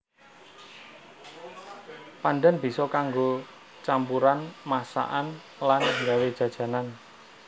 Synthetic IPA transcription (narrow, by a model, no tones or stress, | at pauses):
panɖɛnb̥i̤sɔkaŋɡo | t͡ʃampuɾanmasa̰ʔan | lanŋɡawed̥ʒ̥ä̤d̥ʒ̥ä̤nan